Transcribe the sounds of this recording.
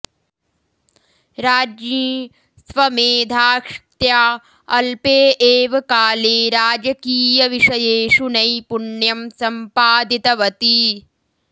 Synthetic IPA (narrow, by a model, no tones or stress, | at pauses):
ɾaːd͡ʒniː | sʋɐmeːd̪ʱaːkʂt̪jaː | ɐlpeːʔeːʋɐkaːleːɾaːd͡ʒɐkiːjɐʋiʂɐjeːʂunɐjpuɳjɐmsɐmpaːd̪it̪ɐʋɐt̪i